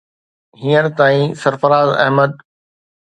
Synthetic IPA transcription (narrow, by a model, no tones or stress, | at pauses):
ɦiːəɾt̪aːĩsɐɾfəɾaːzɐ̰ɦməd̪̚